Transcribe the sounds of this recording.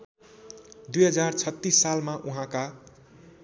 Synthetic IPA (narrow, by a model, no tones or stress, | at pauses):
d̪ujɦʌd͡zart͡sʰʌt̪ːisːalmaʔuɦãka